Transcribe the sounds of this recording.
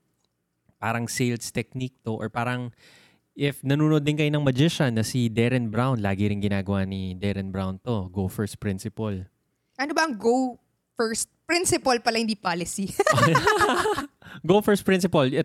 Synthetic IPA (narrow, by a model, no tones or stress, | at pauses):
paːɾɐŋsejlst̪ɛk̚nik̚t̪oʔɔɹpaːɾɐŋ | ʔɪfnɐnuːnod̪ɪnkɐjonɐŋmɐd͡ʒɪʃɐnːɐsid̪ɛɾɛnbɾawnlaːɡɪɾɪnɡɪnaːɡɐwanid̪ɛɾɛnbɾawnt̪o̞ɡofɛɹst̪̚pɹɪnsɪpɐl | ʔɐnobɐʔɐŋɡo | fɛɹst̪̚pɾɪnsɪpɐlpɐlahɪnd̪iːpaːlɪsi | ɡowfɛɹst̪pɹɪ̃nsɪpɐlɛ